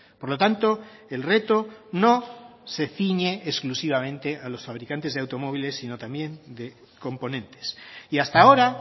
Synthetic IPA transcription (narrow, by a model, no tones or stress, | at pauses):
po̞ɾlo̞t̪ant̪o̞ | e̞lre̞t̪ono̞se̞θiɲeʔːsklusiβ̞amẽ̞nt̪e̞ʔalo̞sfaβ̞ɾikant̪e̞zðawt̪o̞mo̞βile̞sːino̞t̪ambje̞nd̪e̞ | ko̞mpo̞nẽ̞nt̪e̥siast̪ao̞ɾa